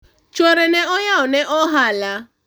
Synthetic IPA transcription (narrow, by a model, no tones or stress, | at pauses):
t͡ʃoɾeneɔɲaʊneʔɔɦala